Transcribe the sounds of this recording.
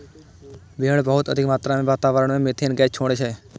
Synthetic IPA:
ʋiəɳ̃bəɦʊt̪əd̪ʱɪkmaːt̪ɾamẽʋaːt̪aːʋəɾəɳmẽmet̪ʰeːnɡɛːt͡ʃʰoːɽ̃et͡ʃʰeː

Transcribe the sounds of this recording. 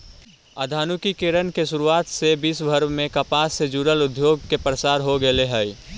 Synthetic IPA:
əd̪ʱaːnukikeɾənkesʊɾuaːt̪sebiːsbʱəɾmẽkəpaːsːed͡ʒuɾəlʊd̪ʱjoːɡ̚kepɾəsaːɾɦoɡəleɦɛj

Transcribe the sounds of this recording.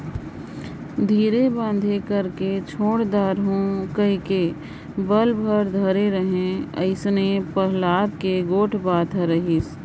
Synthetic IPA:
d̪ʱiːɾebãːnd̪ʱekəɾket͡ʃʰoːɽd̪aːɾɦõkəɦike | bəlbʱəɾd̪ʱəɾeɾəɦẽə̰ɪsnepəɦlaːd̪̚keɡoːʈʰbaːt̪ʰəɾəɦis

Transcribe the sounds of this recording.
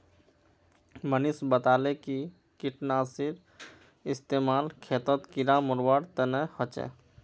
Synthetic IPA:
mənisbət̪aːleki | kiʈnaːsiɾ | ɪst̪eːmaːlkʰeːt̪ət̪kiɾamʊɾwaɽt̪ənɛhət͡ʃɛ̰

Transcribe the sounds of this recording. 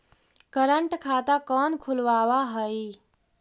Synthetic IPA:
kəɾəɳʈkʰaːt̪akɔːnkʰulʋaːwaɦəji

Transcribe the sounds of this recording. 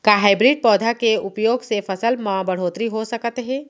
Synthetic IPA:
kaɦaːɪbɾiːɖ̚pɔːd̪ʱakeʊpjoːɡsefʰɐsəlmãbɐɽ̤oːt̪ɾiɦosɐkt̪ɦɛ̃ː

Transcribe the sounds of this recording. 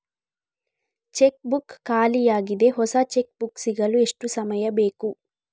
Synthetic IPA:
t͡ʃe̞k̚bukːaːlijaːɡid̪e̞ɦɔsɐt͡ʃek̚buksiɡɐlue̞ʂʈusɐmɐjɐbe̞ːku

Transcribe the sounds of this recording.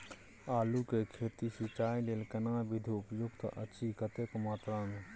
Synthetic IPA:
aːlukekʰeːt̪isit͡ʃaːileːlkənaːbɪd̪ʱiʊpjʊɡt̪ʔət͡ʃʰikət̪ekmaːt̪ɾaːn

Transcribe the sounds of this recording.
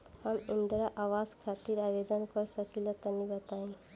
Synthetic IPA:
hamind̪ɾaʔawaskʰat̪iɾabed̪ənkɔɾsəkilet̪ənibət̪aĩ

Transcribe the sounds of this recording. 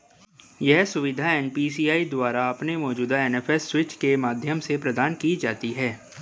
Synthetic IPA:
jɛɦsʊʋɪd̪ʱaɛːnpiːsiːaːid̪waːɾaɐpnemɔːd͡ʒuːd̪aɛːnɛːfʰɛsːwɪt͡ʃkemaːd̪ʱjəmsepɾɐd̪aːnkid͡ʒa̰ːt̪iɦɛː

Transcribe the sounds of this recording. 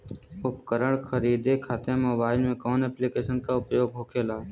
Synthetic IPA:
ʊpkəɾəɽ̃kʰəɾiːd̪ekʰaːt̪ẽmoːbaːɪlmẽkɔːnɛːplikeːʃənkaʊpjoːɡɦoːkʰeːlaː

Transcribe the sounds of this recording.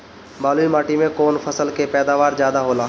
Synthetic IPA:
baːluimaːʈimẽkoːnpʰəsəlkepɛːd̪aːʋaːɾzjaːd̪aɦoːlaː

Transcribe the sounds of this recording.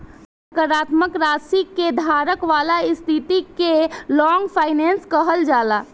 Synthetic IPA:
əkəɾat̪məkɾasikːed̪ʱaɾəkʋalaist̪ʰit̪ikelɔŋɡpʰaɪnenskəɦəld͡ʒala

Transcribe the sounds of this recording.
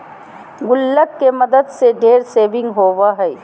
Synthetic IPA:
ɡʊlːəkkemɐd̪əd̪seɖʱeːɾseːʋɪ̃ŋɡɦoːwaɦɛː

